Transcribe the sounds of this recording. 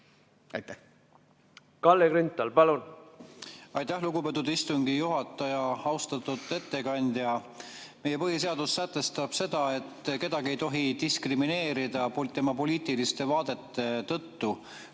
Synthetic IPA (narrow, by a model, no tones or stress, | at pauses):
ɑjt̪ːæ | kɑlːekɾynt̪ːˑɑlpɑlun | ɑjt̪ːˑæhluɡupe̞t̪ːˑud̪̥ist̪uŋɡijuɦɑt̪ːˑɑjɑɑwst̪ɑt̪ːˑud̪ˑe̞t̪ːe̞kɑnʲd̪̥jɑme̞je̞pɤɦise̞ɑd̪̥usːæt̪ːˑe̞st̪ɑb̥se̞d̪̥ɑe̞t̪ːˑke̞d̪ɑɡie̞jt̪o̞ɦit̪iskrimine̞ːɾid̪ɑpot̪e̞mɑpo̞liːt̪ilist̪e̞vɑːd̪e̞t̪ːe̞t̪ɤt̪ːu